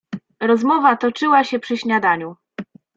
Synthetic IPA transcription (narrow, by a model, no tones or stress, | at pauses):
ɾɔzmɔvat̪ɔt͡ʂɘwaɕɛpʂɘɕɲad̪aɲu